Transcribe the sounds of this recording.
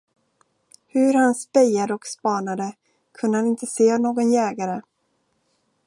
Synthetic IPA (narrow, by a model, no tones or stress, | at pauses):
hɵɾhanspɛjad̪əɔkspɑːnad̪ə | kʰɵnd̪əhanɪnt̪əseːnoːɡɔnjɛːɡaɾə